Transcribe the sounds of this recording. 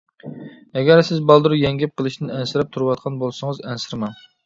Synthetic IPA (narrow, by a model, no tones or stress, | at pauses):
ɛɡʲæɾsɪzbɑlˠd̪ɨɾujɛŋɡʲɛp̚qʰəlˠɨʃt̪ɪnɛnsɪɾɛp̚t̪ʰuɾwɑt̪̚qʰɑnbolˠsɨŋəzɛnsɪɾmɛn